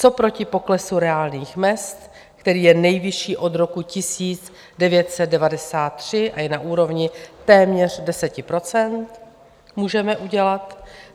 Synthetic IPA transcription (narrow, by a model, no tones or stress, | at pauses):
t͡so̞pɾo̞cɪpo̞klɛsuɾɛaːlniːxmɛst̪ | kt̪ɛɾiːjɛnɛjvɪʃiːʔo̞d̪ɾo̞kucɪsiːt͡s | dɛvjɛt̪sɛt̪̚dɛvadɛsaːt̪ːr̝̥ɪʔajɛnaʔuːɾo̞vɲɪt̪ɛːmɲɛr̝dɛsɛcɪpɾo̞t͡sɛnt̪ | muːʒɛmɛʔuɟɛlat̪